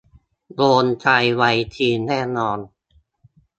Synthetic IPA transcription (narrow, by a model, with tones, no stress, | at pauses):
boː˧nt͡ɕʰa˧jwa˧jt̪ʰiː˧nɛː˥˩nɔː˧n